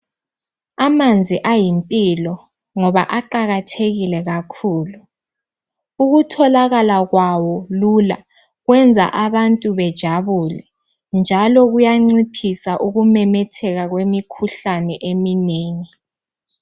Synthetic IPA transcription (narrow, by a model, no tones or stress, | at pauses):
amand͡zʱiʔajimpʼilɔ | ŋɔβa̰ʔaǃaɣatʰeɣilɛɣakʰuːlu | uɣutʰɔlaɣalaɣwawɔlula̰ | ɣwɛnd͡zʱa̰ʔaβantʼuβɛd̥ʒ̥ʱaβulɛ | nd͡ʒʱalɔɣujaŋ͡ǀipʰisaʔuɣumɛmɛtʰɛɣaɣwemikʰuɬanɛʔemineːŋi